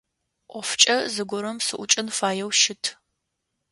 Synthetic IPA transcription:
ʔʷɔft͡ʃʼɐzɨɡʷʊɾɐmsɨʔʷʊt͡ʃʼɪnfaːjɛwʃɪtʰ

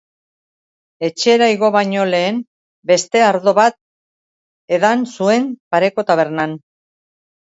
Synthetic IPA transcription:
e̞t͡ʃe̞ɾajɣo̞βaɲo̞le̞ːm | be̞st̪e̞aɾðo̞βat̪̚ | e̞ðansue̞npaɾe̞ko̞t̪aβ̞e̞ɾnan

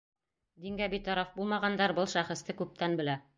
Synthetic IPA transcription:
d̪iŋɡæbit̪ɑɾɑfbulˠmɑʁɑnd̪ɑɾbɤlˠʃæχɘ̆st̪ɘkʉp̚t̪ʰænbɘ̆læ

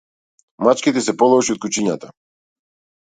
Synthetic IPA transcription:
mat͡ʃkit̪ɛsɛpɔlˠɔʃiɔt̪kut͡ʃiɲat̪a

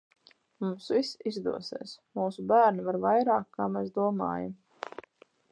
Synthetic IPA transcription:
mumsvisizd̪uɔsḛːsmuːsubæːɾnivaɾvajɾaːkkːaːmɛs̬d̪uɔma̰ːja̰m

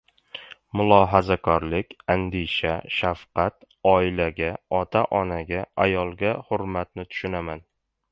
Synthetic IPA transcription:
mʊlˠɒɦazakʰɒɾlɪkʲand̪eʃaʃafqɑt̪ | ɒɪlaɡʲaɒt̪ʰaʔɒnaɡʲaajɒlˠɡʲahʊɾmat̪nɪt̪ʰʊ̥ʃʊnaman

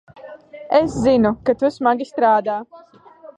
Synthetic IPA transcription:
eszinukat̪usmaɡʲist̪ɾaːd̪aː

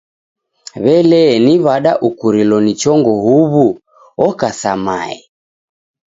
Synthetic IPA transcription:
βɛlɛniβaɗaʔukuɾilɔnit͡ʃɔŋɡɔɦuβu | ɔkasama̰ɛ̰

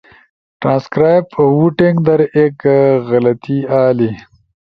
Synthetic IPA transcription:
ʈɾãːnskɾaːjpwuʈeŋɡd̪ɐɾeːkɣɐlɐt̪iaːli

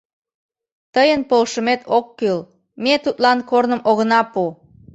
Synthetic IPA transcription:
t̪əjənpolʃəmet̪ʰokːøl | met̪ut̪lɑnkornəmʔoɣənɑpu

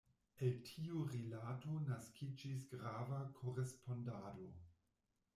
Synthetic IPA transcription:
eltʰiuɾilato̞naskʰid͡ʒis̬ɡɾavakʰoɾespo̞ndado

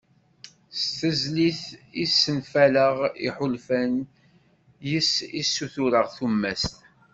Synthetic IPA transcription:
st̪əzliθisːənfæləʁḭħʊlfæn | jəsisːuθuɾəʁθumːæst̪

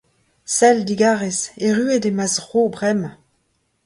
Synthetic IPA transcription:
sɛldiɡaːʁeseʁyedemazʁobʁɛm

